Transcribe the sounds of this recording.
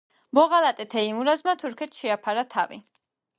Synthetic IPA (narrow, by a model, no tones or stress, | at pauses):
bɔʁalat̪ʼɛt̪ʰɛimuɾazmat̪ʰuɾkʰɛt̪ʰʃɛapʰaɾat̪ʰavḭ